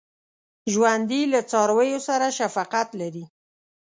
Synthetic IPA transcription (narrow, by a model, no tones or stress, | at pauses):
ʒwand̪ilat͡sɑɾwəjosaɾaʃafɑqat̪laɾi